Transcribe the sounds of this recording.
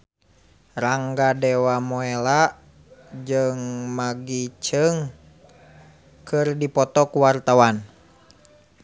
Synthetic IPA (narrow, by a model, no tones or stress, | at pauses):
raŋɡadɛwamɔelaʔ | d͡ʒɨŋmaɡit͡ʃəŋ | kɨrdipɔt̪ɔkuwart̪awan